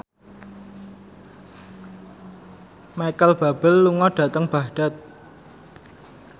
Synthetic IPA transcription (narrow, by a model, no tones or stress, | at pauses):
majkəlb̥a̤b̥ə̤lːuŋɔɖ̥ä̤t̪əŋb̥a̤hɖ̥a̤t̪̚